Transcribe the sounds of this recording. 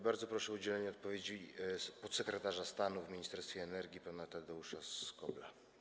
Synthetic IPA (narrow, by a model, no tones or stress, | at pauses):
baɾd̪zɔpɾɔʂɛud͡ʑɛlɛɲɛɔt̪̚pɔvʲjed͡ʑipɔt̪sɛkɾɛt̪aʐast̪anuvmʲiɲist̪ɛɾst̪fʲɛːnɛɾɡʲipanat̪ad̪ɛuʂaskɔbla̰